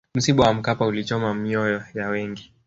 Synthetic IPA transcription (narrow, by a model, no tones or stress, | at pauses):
m̩siɓawam̩kapaulit͡ʃɔmamiɔjɔjawɛŋɡi